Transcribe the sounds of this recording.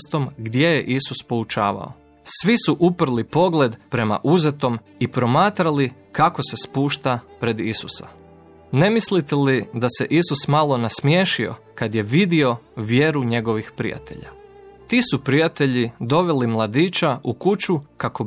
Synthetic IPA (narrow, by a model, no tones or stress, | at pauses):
st̪o̞mɡd̪je̞jeʔisuspo̞ut͡ʃaːʋa̰o̰ | sʋisuʔupr̩lipo̞ɡle̞d̪pɾe̞ma̰ʔuze̞t̪o̞m | ipɾo̞maːt̪ɾali | kako̞se̞spuːʃt̪apɾe̞d̪isusa | ne̞mislit̪elid̪ase̞ʔisusmalˠo̞nasmje̞ːʃio̞̰ | kad̪je̞ʋid̪io̞ʋje̞ɾuɲe̞ɡo̞ʋixpɾḭja̰t̪e̞̰ʎa̰ | t̪iːsupɾijat̪e̞ʎid̪o̞ʋe̞limlˠad̪iːt͡ʃaukut͡ʃukako